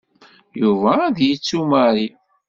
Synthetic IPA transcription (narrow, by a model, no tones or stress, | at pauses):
juvæðjit͡sːuməɾi